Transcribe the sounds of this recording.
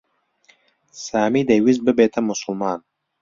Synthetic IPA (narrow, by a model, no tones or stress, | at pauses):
saːmid̪ewizbɨbeːt̪ʰɐmʊsʊlmaːn